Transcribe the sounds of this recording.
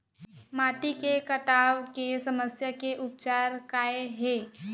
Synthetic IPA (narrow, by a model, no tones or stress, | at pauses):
maːʈikekəʈaːwkesəməsjakeʔʊp̚t͡ʃaːɾkaːeɦeː